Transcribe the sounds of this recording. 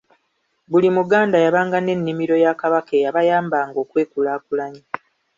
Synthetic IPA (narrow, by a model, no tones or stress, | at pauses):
βulimuɡaːndajaβaːŋɡane̞nːimiɾo̞jakaβakejaβajaːmbaːŋɡo̞ːkwe̞ːkulaːkulaɲi